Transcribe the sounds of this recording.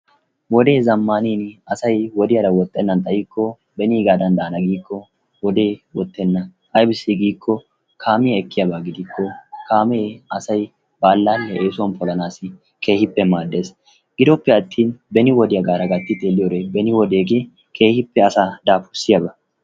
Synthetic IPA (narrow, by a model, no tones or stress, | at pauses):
wɔd̪e̞ːzɐmːaːniːnɐsɐjwɔd̪ɪjɐɾɐwɔt̪ʼːɛnːɐnt̪ʼɐjiːkʰːɔ | bɛniːɡaːd̪ɐnd̪ɐːnɐɡiːkʰːɔ | wɔd̪eːwɔt̪ʼːɛnːɐ | ʔɐjbɪsiɡiːkʰːɔ | kʰaːmɪjɐɛkːɪjɐbaɡɪd̪ɪkːɔkʰaːmɛɐsɐj | baːlːaːlːɛʔeːsʊwɐnpʰɔlɐnaːsɪ | kʰe̞ːhɪpːɛmaːd̪ːeːs | ɡ̥ɪd̪ɔpːɛɐt̪ʰːiːnbɛnɪwɔd̪ɪjɐɡaːɾɐɡɐt̪ːɪt̪ʼelːɪjoɔɾebɛnɪwɔd̪eːɡe̞ː | kʰe̞ːhɪpːɛɐsad̪aːfʊsɪjɐbɐ